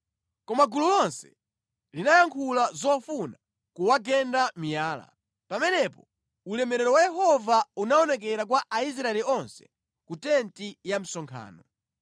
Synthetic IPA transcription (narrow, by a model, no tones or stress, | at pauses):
kɔmaɡululɔnsɛ̥̰ | linajaŋkʰulazɔfuna | kuwaɡɛndamijaːla̰ | pamɛnɛpɔ | ulɛmɛɾɛɾɔwajɛɦɔvaunaɔnɛk̬ɛɾak̬waʔais̬ɾaɛliɔnsɛ̥̰ | kutɛntijam̩sɔŋkʰa̰ːnɔ